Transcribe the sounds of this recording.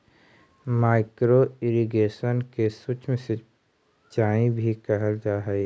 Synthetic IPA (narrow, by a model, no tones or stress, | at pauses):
maːɪkɾoɪɾiɡeːʃənkesuːt͡ʃmẽsɪ | t͡ʃaːĩbʱikəɦəld͡ʒaːɦəe